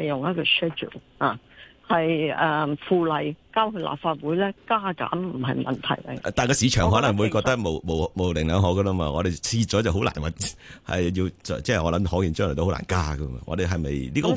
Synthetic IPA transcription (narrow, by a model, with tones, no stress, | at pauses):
e˨jʊ˨ŋjɐ˥t̚kɔ˧ʃɛ˥d͡ʒṵ˨˩haː˨hɐ˨jɛ˨fuː˨lɐ˨˩jkaː˥whɵ˧la̰ː˨p̚faː˧t̚wuː˨˥jlɛː˥kaː˥ka̰ː˨˥nm̩˨˩ɦɐ˨jmɐ̰˨nt̪ʰɐ̰˨˩jkɐ̰˧˨t̪aː˨nkɔː˧siː˨˧t͡ʃʰœː˨˩ŋɦɔː˨˥nɐ˨˩ŋwuː˨˧jkɔː˧k̚t̪ɐ˥k̚mo˨˧wmo˨˩wmo˨˧wlɪ˨˩ŋlœː˨˧ŋɦɔ˨˥kə˧lɐ˥maː˧ŋɔː˨˧ɾe˨t͡sʰiː˧t͡sɔː˨˥t͡sɐ˨wɦo˨˥wlaː˨˩nwɐ˨t̚hɐ̰˨˩jji˧wt͡sːt͡sɛː˥˨ɔː˨˧lɐ˨˥mhɔː˨˥ŋjiː˨˩nt͡ʃœː˥ŋlɛ˨˩o˧ho˦˥la̰ː˨˩nkaː˥ɡɐ˧ma̰ː˧ŋɔ̰˧d̪e˨jɦɐ˨jmɐ˨jliː˥ko˧